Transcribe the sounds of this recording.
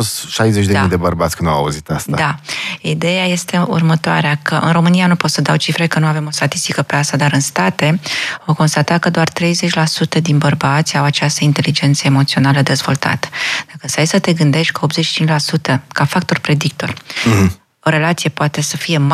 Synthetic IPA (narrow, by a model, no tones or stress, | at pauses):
ost̪ʃajzet͡ʃd̪emid̪e̞bəɾbat̪sʲkɨnawa̰ṵzit̪ast̪ad̪aid̪e̞jaje̞st̪e̞ṵrmət̪oa̰ɾeakəʔɨ̰nro̞mɨnijanupo̞t̪səd̪awt͡ʃifɾe̞kənuave̞mo̞st̪at̪ist̪ikəpeast̪ad̪aɾɨnst̪at̪e̞oko̞nst̪at̪akəd̪oart̪ɾe̞jzet͡ʃʲlasut̪əd̪inbərbat̪sʲawat͡ʃast̪əint̪e̞lid͡ʒe̞nt̪səemo̞t̪sio̞naləd̪e̞zvo̞lt̪a̰t̪ə̥d̪̥akəsajsət̪e̞ɡɨnd̪e̞ʃt̪̚ʲkəo̞p̪zet͡ʃʃi̥t͡ʃint͡ʃʲlasut̪əkafak̚t̪o̞rpɾe̞d̪ik̚t̪o̞r | o̞ɾe̞lat̪sijepoat̪e̞səfije̞m